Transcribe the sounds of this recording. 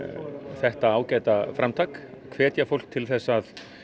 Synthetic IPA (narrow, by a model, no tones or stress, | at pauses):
θɛht̪aaːwcaːjt̪afɾʔamt̪ʰaːkkʰvɛːt̪jafowl̥k̚t̪ʰɪlθɛsːað